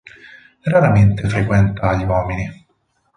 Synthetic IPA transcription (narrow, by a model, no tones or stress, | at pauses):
raɾament̪efɾekwɛnt̪aːʎːiwɔːmini